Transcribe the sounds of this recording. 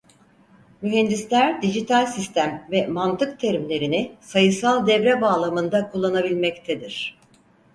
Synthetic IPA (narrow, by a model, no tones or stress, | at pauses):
myɦɛnd̪islʲæɾd̪iʒit̪ʰalʲsist̪ʰæmvɛmant̪ʰɯk̚t̪ʰeɾimlʲe̞ɾinɪsajɯsalˠd̪ɛvɾɛbaːlˠamɯnd̪akʰulˠːanabilʲmɛct̪ʰed̪iɾ̥